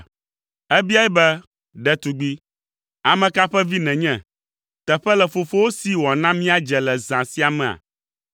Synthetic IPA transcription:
ɛ˦bi˦a˦ɛ˦bɛ˦ | ɖɛ˦t̪u˨ɡ͡bi˦ | a˨mɛ̃˨ka˦ɸɛ˦vi˦nɛ̃˨ɲɛ̃˨ | t̪ɛ˨ɸɛ˦lɛ˨fo˨fo˦wo˦si˦wɔ˨nã˦mĩ˦a˦d͡ʒɛ˨lɛ˨zã˨si˦a˨mɛ̃˨a̰˨

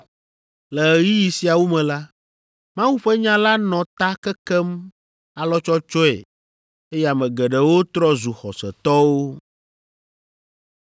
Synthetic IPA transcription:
lɛ˨ji˦ji˨si˨a˨wo˦mɛ̃˨la˦ | mã˦wu˦ɸɛ˦ɲã˦la˦nɔ̃˨t̪a˦kɛ˦kɛ˦m | a˨lɔ˦t͡ʃɔ˦t͡ʃɔ˦ḛ˨ | e˦ja˨mɛ̃˨ɡɛ˨ɖɛ˨wo˦t̪ɾɔ˦zu˨xɔ̰˨sɛ˨t̪ɔ˦wo˦

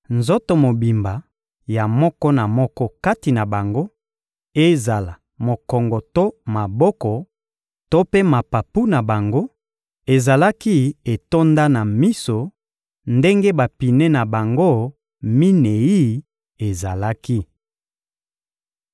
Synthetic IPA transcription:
nzo˦to˨mo˨bi˨mba˨ | ja˨mɔ˦kɔ˦na˨mɔ˦kɔ˦ka˦ti˨na˨ba˨ŋɡo˦ | e˦za˨la˨ | mo˨kɔ˨ŋɡɔ˨to˦ma˨bɔ˦kɔ˨ | to˦pe˦ma˨pa˨pu˦na˨ba˨ŋɡo˦ | e˨za˨la˦ki˦e˨to˦nda˦na˨mi˦so˨ | nde˦ŋɡe˦ba˨pi˨ne˦na˨ba˨ŋɡo˦˨ | mi˦ne˨i˦ | e˨za˨la˦ki˦

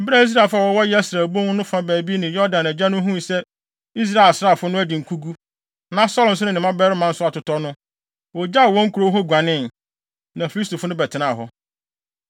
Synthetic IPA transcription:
m̩˨ba˦i˦s̬ɾa˦˨fʊ˦a˨wɔ˨wɔ˦jɛ˦æ˦sɾæː˨bõ˦ŋ˦nʊ̃˦fã˦bæː˨bi˦nɪ̃˨jɔ˦dã˨næ˨d͡ʑa˦nʊ̃˦ɦũ˦˨sɛ˦ | i˦s̬ɾa˦˨e˨lsɾa˦˨fʊ˦nʊ̃˦æ˦di˨ŋ̩˨kʰu˦ɡu˦ | nã˨sɔ˦l̩˨s̬ʊ˦ʊ̃˨nɪ̃˨mã˦bɛ˦ɾɪ˦mã˨n̩˦sʊ˦a˨tʊ˨tɔ˦nʊ̃˦ | wɔ˨d͡ʑa˦˨wɔ̃˦ŋ̩˦kʰu˨ɾo˦ɦɔ˦ɡʷa˨nɪ̃˦n | nã˨fi˨˦i˦stʰo˨fʊ˦nʊ̃˦bɛ˨tʰɪ˨nã˦˨ɦɔ˦

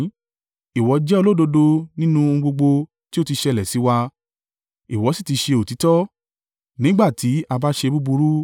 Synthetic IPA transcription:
i˨wɔ˨˦d͡ʒɛ˦o˧lo˦do˧do˧nĩ˦nũ˦õ˧ɡ͡bo˧ɡ͡bo˧ | ti˦o˦ti˧ʃɛ˧˦˨lɛ˨si˨˦wa˧ | i˨wɔ˨˦si˦˨ti˧ʃe˧o˨ti˨˦tɔ˦ | nĩ˦ɡ͡ba˦˨tʰi˨˦a˧ba˦ʃe˧bu˦bu˧ɾu˦

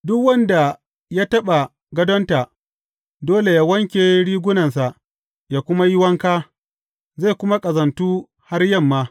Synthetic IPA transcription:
dʊ˦kwɐ˦nda˨ | jaː˦tɐ˦ɓa˨ | ɡɐ˦dɔ˦nta˨ | doː˦le˨jaː˦wɐ˦ŋkʲeː˨˦ɽiː˦ɡʷʊ˦nɐ˨nsa˨ʔ | jaː˨kʷʊ˦ma˦jɪ˦wɐ˦ŋkaː˦ | za˦˨kʷʊ˦ma˦kʼɐ˨zɐ˨ntuː˦ | ha˦rjɐ˦˨mːaː˦

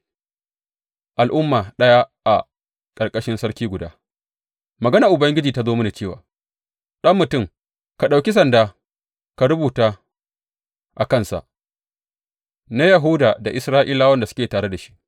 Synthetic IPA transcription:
ʔa˨lʔʊ˦mːaː˨ɗɐ˦ja˦ʔa̰˨ | kʼɐ˨rkʼɐ˦ʃɪ˦nsɐ˦ɽkʲiː˦ɡʷʊ˨daː˦ | mɐ˨ɡɐ˦na˨ʔʊ˨bɐ˦ŋɡʲɪ˦d͡ʒiː˨ta˦zoː˦mʊ˦na˨t͡ʃeː˦˨wa̰ː˨ | ɗɐ˦mːʊ˨tʊ˦˨m | ka˨ɗa˨wkʲi˦s̬ɐ˨ndaː˦ | ka˨ɾʊ˦buː˨taː˦ | ʔa˨kɐ˦nsa̰˨ʔ | na˦jɐ˨ɦʊ˦daː˨da˨ʔɪ˨sɾaː˦ʔiː˦laː˦wɐ˦nda˨sʊ̥˦kʲeː˨taː˨ɽe˦da˨ʃi̥˦ʔ

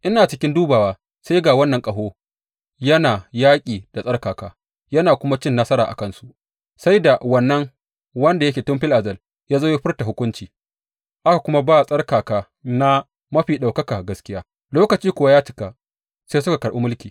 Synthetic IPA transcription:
ʔɪ˦naː˨t͡ʃɪ˦kʲɪ˦nduː˦baː˨waː˦ | sa˦jɡaː˨wɐ˦nːɐ˨ŋkʼɐ˨ɦoː˦ | jɐ˦naː˨jaː˦kʲʼiː˨d̥a˨sʼɐ˦rkaː˨kaː˨ | jɐ˦naː˨kʷʊ˦ma˦t͡ʃɪ˦nːɐ˦sɐ˦ɾaː˨ʔa̰˨kɐ˦nsu˦ʔ | sa˦jda˨wɐ˨nːɐ˦ŋ | wɐ˦nda˨jɐ˦kʲeː˨tʊ˦mɸɪ˦lʔa˨zɐ˦˨l | jaː˦zoː˦ja˦ɸɪ˦rta˨ɦʊ˦kʷʊ˦nt͡ʃiː˨ | ʔa˦ka˨kʷʊ˦ma˦baː˦˨sʼɐ˦rkaː˨kaː˨ | na˦ | mɐ˦ɸiː˨ɗa˨wkɐ˦ka˨ɡɐ˦skʲɪ˦jaː˦ | loː˦kɐ˨t͡ʃiː˦kʷʊ˨wa˦jaː˦t͡ʃɪ˦ka˨ | se˦sʊ˦ka˨kɐ˨ɽʔu˦mʊ˦lkʲiː˨

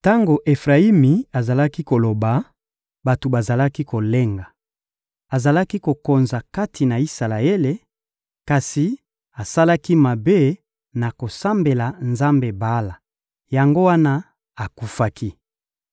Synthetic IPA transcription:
ta˦ŋɡo˨ʔe˨fʁa˨i˦mi˨a˨za˨la˦ki˦ko˨lo˨ba˨ | ba˨to˨ba˨za˨la˦ki˦ko˨le˦ŋɡa˨ | a˨za˨la˦ki˦ko˨ko˨nza˨ka˦tʰi˨na˨i˦sa˨la˨e˦le˨ | ka˨si˨ | a˨sa˦la˦ki˦ma˨be˦ | na˨ko˨sa˦mbe˨la˨nza˦mbe˨ba˦la˨ | ja˨ŋɡo˦wa˦na˦ | a˨ku˦fa˦kʰi˦

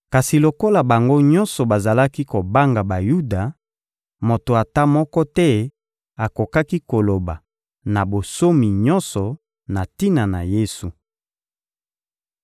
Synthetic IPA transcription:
ka˨si˨lo˨ko˦la˨ba˨ŋɡo˦ɲɔ̃˦nsɔ˨ba˨za˨la˦ki˦ko˨ba˦ŋɡa˨ba˨ju˦da˨ | mo˨to˨a˨ta˦mɔ˦kɔ˦tɛ˦ | a˨ko˨ka˦ki˦ko˨lo˨ba˨ | na˨bo˨so˦mi˨ɲɔ̃˦nsɔ˨ | na˨ti˦na˨na̰˨je˦su˨

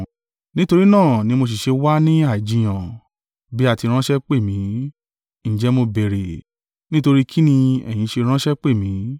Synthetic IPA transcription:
nĩ˦to˧ɾi˦nãː˦˨nĩ˧mo˧s̬i˨ʃe˧wa˦nĩ˦a˦˨d͡ʒĩ˨j̃ã˨ | bi˦a˦˨ti˧ɾ̃ã˦ʃɛ˦k͡pe˦˨mĩ˨˦ | ñ̩˨d͡ʒɛ˧˦mo˧be˨ɾe˨ | nĩ˦to˧ɾi˦kʰi˦nĩ˧ɛ̰˨j̃ĩ˨˧ʃe˧ɾ̃ã˦ʃɛ˦k͡pe˦˨mĩ˨˦

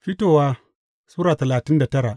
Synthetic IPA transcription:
fi˦to˨wa˦ | suː˦ɾaː˨tɐ˨laː˨ti˦nda˨tɐ˦ɾa˨

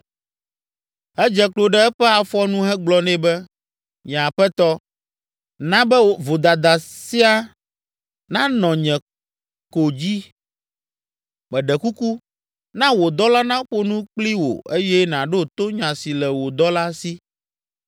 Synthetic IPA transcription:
ɛ˦d͡ʒɛ˨klo˨ɖɛ˦ɛ˦ɸɛ˦a˨fɔ˦nũ˦ɦɛ˦ɡ͡blɔ˦nɛ̃˦bɛ˦ | ɲ˨ã˨ɸɛ˦t̪ɔ˦ | nã˦bɛ˦wo˨vo˨d̪a˨d̪a˨si˦a˦ | nã˦nɔ̃˨ɲɛ̃˨ | ko˨d͡ʑi˦ | mɛ̃˨ɖɛ˨ku˦ku˦ | nã˦wo˨d̪ɔ˦la˦nã˦ɸo˦nũ˦k͡pli˦wo̰˨e˦jɛ˦nã˨ɖe˦o˨t̪o˦ɲã˨si˨lɛ˨wo˨d̪ɔ˦la˦si˦

